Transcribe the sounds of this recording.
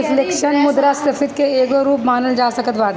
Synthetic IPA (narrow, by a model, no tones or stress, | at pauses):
ɪflekʃənmʊd̪ɾasɐfɪd̪keeːkoɾuːpmaːnəld͡ʒaːsɐkət̪ʋaːd̪